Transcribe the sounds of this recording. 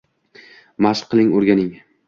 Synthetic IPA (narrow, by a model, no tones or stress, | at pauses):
maʃqʰːɨlˠɪŋʊɾɡʲanɪŋ